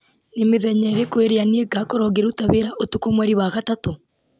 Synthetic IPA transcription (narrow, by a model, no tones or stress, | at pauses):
nemeðɛɲɛɾekweɾeanieɡakɔɾɔɣeɾutaβeɾaʔotukomwaɾiwaɣatato